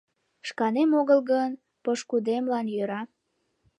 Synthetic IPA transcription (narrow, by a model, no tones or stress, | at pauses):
ʃkɑnemoɣəlɣən | pəʃkud̪emlɑnjøɾɑ